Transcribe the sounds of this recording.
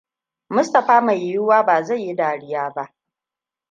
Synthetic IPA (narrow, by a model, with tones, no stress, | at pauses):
mʊ˦stɐ˨ɸaː˦ma˨jju˦waː˦baː˨za˦˨jːi˦daː˨ɽɪ˦jaː˦ba˦ʔ